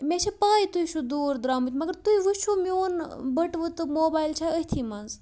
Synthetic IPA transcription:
meʃʰepaːit̪uiʃʰud̪uːɾd̪ɾaːmut̪ʰʲmɐɡəɾt̪uiʋuʃʰumioːnbɐʈʋɨt̪ɨmoːbaːjlt͡ʃʰaəɦʲt̪ʰiːmɐnz

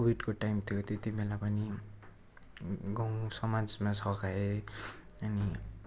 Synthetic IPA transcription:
kobiɖkoʈajmt̪ʰjot̪et̪imelapʌni | ɡʌ̃w̃sʌmad͡zmasʰʌkae | ʌni

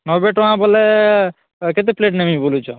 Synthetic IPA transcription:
nɔbeʈɔɦãbɔle | ket̪̬epleʈnemĩbolut͡ʃʰɔ

